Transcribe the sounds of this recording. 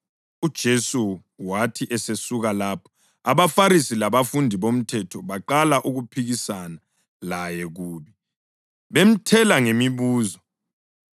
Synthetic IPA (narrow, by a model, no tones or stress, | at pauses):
ud̥ʒ̥ʱesu | watʰiʔɛsesuɣalapʰɔ̥ | aβafaɾisilaβafundʱiβom̩tʰɛtʰɔβaǃalaʔuɣupʰiɣisana | lajɛɣuːβi | βem̩tʰɛlaŋemiβuːzɔ